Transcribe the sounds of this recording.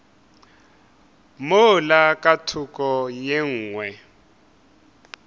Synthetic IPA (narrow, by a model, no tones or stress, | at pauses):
molakʼatʰukʼɔjeŋ̩ːŋwɛ